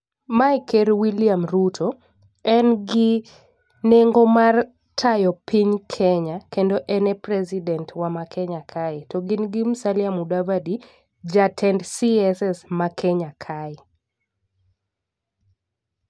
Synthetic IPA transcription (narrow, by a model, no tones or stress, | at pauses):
maɪkɛɾwiliamɾutʰo | ɛnɡɪ | neŋɡomar | tʰajɔpiɲkʰɛɲakendoʔɛnɛpɾɛzidɛntwamakʰɛɲakʰaɪtɔɡɪnɡɪm̩saljamudavadi | d͡ʒatʰɛndsiɛsɛsmakʰɛɲakʰaɪ